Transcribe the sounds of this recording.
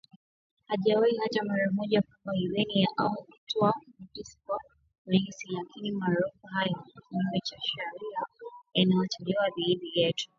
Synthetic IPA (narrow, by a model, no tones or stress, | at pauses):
haʄawaihat͡ʃamaɾamɔʄakambaiwɛnijaʔaukutɔamutisi̥ka | uliŋsilakinimaːɾufuɦajɔkiɲimɛt͡ʃaʃɛɾiainajɔt͡ʃɛlɛwaðiːɗijɛtʰu̥